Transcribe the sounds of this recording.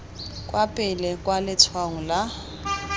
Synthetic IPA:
kʼwapʼɪlɪkʼwalɪt͡sʰwaŋ̩la

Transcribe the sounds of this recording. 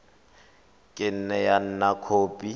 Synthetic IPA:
kʼɪn̩nɛjan̩nakʰoːpʼi

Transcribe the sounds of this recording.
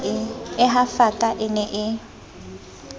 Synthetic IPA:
ɪɪɦafakʼaʔɪnɛʔɪ

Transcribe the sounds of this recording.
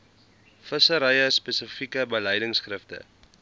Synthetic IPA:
fəsəɾəjəspɛsəfikəbəlɛjdəŋsχrəftə̰

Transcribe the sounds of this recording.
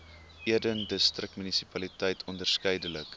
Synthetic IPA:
iədəndəstrək̚tmynisi̥pɐlitəjtʰɔndərskəjdələk

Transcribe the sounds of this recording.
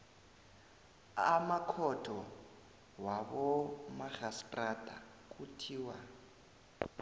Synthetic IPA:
amakʰɔtʰʼɔ | waβɔmaɣastʼrad̥ʱʼa̰ | kʼutʰiːwa

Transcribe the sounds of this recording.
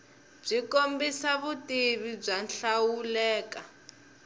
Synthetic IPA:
b͡ʐikombisaβutiβib͡ʐanɬawulɛːka

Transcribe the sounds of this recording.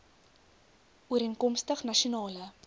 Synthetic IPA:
uəɾiənkɔmstəχnɐʃionɑːlə

